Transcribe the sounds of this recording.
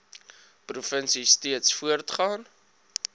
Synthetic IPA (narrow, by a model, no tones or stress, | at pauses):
prufənsistiətsfuərtχɑːn